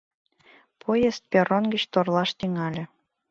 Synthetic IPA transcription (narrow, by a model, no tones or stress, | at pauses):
pʰojest̪̚pʲeɾonɡə̆t͡ɕt̪orlˠɑʃt̪iŋɑlʲĕ